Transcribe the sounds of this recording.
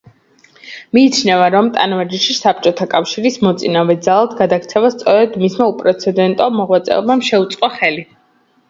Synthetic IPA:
miːt̪t͡ʃʰnɛvaɾɔmt̪ʼa̰nvad͡ʒiʃisap̚t͡ʃʼɔt̪ʰakʼafʃiɾismɔt̪sʼinavɛd̪zalˠad̪ɡad̪aɡɾt̪sʰɛvast̪sʼɔɾɛd̪mismaupʼɾɛt̪sʰɛd̪ɛnt̪ʼɔmɔʁwat̪sʼɛ̰ɔbmamʃɛut̪sʼqʼɔχɛli

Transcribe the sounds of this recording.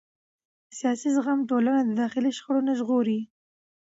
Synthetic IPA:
əsijɑsizɣamʈolanad̪əd̪ɑxɪliʃxəɽonaʒɣoɾi

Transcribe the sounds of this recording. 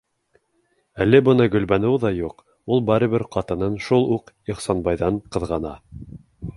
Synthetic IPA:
ælːɘbɤ̆nɤɡɵ̆lβænɤwðɑjuq | ulˠbɑɾɤ̆βɘɾqɑt̪ɤ̆nɤnʃulˠuq | iχsɑnbɑjðɑɴqɤ̆ðʁɑnɑ

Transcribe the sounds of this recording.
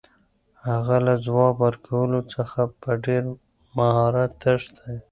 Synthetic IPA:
haɣalazwɑbəɾkʰawəlot͡səxapəɖeɾ | maɦɑɾat̪əʃd̪aj

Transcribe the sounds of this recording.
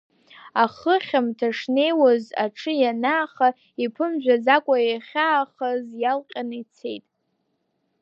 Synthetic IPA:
aχəχʲamtʰaʂne̞jwazaʈ͡ʂʰɨjanaːχa | ipʰɨmʒᶣʷazakʷʼajaχʲaːχazjalqʲʼanɨit͡sʰe̞jtʼ

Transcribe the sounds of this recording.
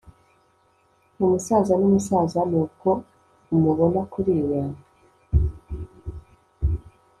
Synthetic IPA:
umusaːzanumusaːzanuːko̞ | umuβo̞nakuɾiːwa

